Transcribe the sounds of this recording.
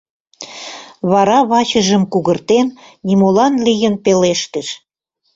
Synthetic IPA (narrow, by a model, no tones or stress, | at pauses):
βɑɾɑβɑt͡ɕə̆ʒə̆mkuɣərt̪ennimolɑnlijənpeleʃt̪əʃ